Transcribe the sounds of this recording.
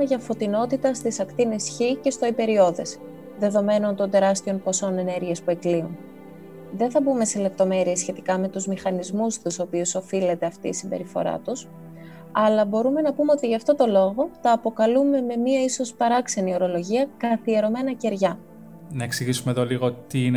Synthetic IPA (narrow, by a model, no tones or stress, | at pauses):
eʝɐfo̞t̪ino̞t̪it̪ɐst̪isɐkt̪inesçice̞st̪o̞ipe̞ɾio̞ðe̞̰s | ðe̞ðo̞me̞no̞nt̪o̞nd̪e̞ɾɐst̪iompo̞so̞ne̞ne̞ɾʝiɐspue̞kliun | ðe̞nθɐbume̞sele̞p̚t̪o̞me̞ɾiesçe̞t̪i̥kɐme̞t̪uzmixɐnizmust̪uso̞piuso̞file̞t̪eɐft̪ḭːsimbe̞̰ɾifo̞̰ɾɐ̰t̪us | ɐlɐbo̞ɾume̞nɐpume̞o̞t̪iʝɐft̪o̞t̪o̞lo̞ɣo̞t̪ɐːpo̞kɐlume̞me̞miɐiso̞spɐɾɐkse̞nio̞ɾo̞lo̞ʝiɐkɐθieɾo̞me̞nɐce̞ɾʝɐ | nɐeksiʝisumeðoliɣot̪iin